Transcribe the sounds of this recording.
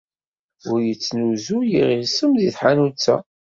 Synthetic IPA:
ʊɾjət͡sːnuzujiʁisəmðiθħanut͡sːa̰

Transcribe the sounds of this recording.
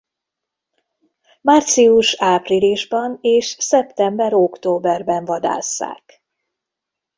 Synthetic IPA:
maːrt̪siuʃaːpriliʒbɒneːʃsɛpt̪ɛmbɛɾo̞kt̪oːbɛrbɛɱvɒd̪a̰ːsːa̰ːk

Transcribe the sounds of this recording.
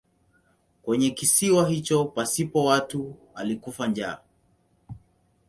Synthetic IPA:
kwɛɲɛkisiwaɦit͡ʃɔpasipɔwatu | alikufand͡ʒaː

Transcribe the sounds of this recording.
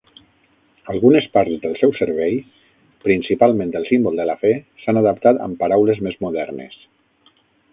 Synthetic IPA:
alˠɣunespaɾt̪zðəlˠsɛwsəɾβɛj | pɾinsipalˠmẽnd̪əlˠsimbolˠd̪əlafɛsanaðəp̚t̪at̪ə̰mpaɾawlezmezmuðɛɾnḛs

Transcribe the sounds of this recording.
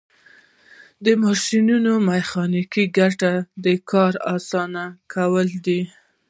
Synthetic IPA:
d̪əmɑʃinunomaxɑnikiɡaʈad̪əkɑɾɑsɑnakʰawəld̪i

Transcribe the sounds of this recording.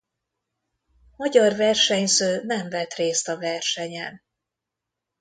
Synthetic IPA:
mɒɟɒrvɛrʃɛɲsøːnɛɱvɛt̪reːst̪ɒvɛrʃɛɲɛn

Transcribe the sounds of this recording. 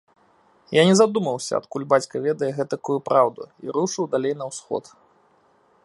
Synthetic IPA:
janʲɛzad̪umɐwsʲɐ̰ɐ̰t̪kulʲbat͡sʲkɐvʲɛd̪ɐjɛɣɛt̪ɐkujupɾawd̪ṵḭɾuʂɨwd̪alʲejn̪ɐwsxɔ̰t̪

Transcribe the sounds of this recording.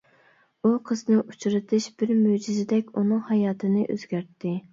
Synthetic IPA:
uqʰəznɨʔut͡ʃɾɨt̪ʰɨʃbɪɾmyd͡ʒizɪd̪ɛkʲunɨŋhɑjɑːt̪ʰɨnɨʔø̰z̥ɡʲæɾt̪ʰːɪ

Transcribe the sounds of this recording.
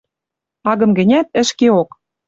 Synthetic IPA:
ɑɣɤ̆mɡɘ̆nʲæt̪̚ɘ̆ʃkeok

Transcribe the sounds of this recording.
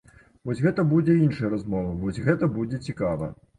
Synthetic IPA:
vɔsʲɣɛt̪ɐbud͡zʲɛinʂɐjɐɾazmɔvɐvɔsʲɣɛt̪ɐbud͡zʲɛt͡sʲikavɐ̰

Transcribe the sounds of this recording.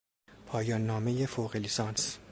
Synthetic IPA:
pʰɒːjɒːnːɒːme̞jefoːɣelisɒːns

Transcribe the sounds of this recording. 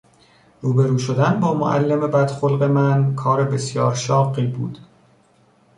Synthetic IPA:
ɾuːbe̞ɾuːʃod̪ænbɒːmo̰ʔæ̰lːeme̞bæd̪̥xolɢe̞mænkʰɒːɾebe̞sjɒːɾʃɒːɢiːbṵːd̪̥

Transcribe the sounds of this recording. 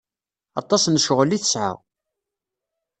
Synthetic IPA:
ɑ̰t̪ˤːɑsnəʃʁəlːiθəsʕa̰ʁ

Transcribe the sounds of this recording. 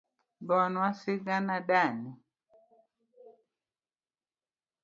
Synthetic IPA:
bɔnwasiɡanaɗani

